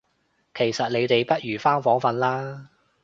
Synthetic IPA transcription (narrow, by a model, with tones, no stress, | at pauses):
kʰe˨˩jsɐ˨t̚le˨˧jt̪e˨jpɐ˥t̚jyː˨˩faː˥ŋfɔː˨˥ŋfɐ˧nlaː˥